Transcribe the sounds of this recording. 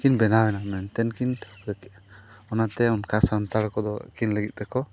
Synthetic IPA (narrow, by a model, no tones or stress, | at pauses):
kinbɛnawɛnamɛnt̪ɛnkin | ɔnat̪ɛɔnkʰasant̪aɽkɔd̪ɔkinləɡit̪̚ˀt̪ɛkɔ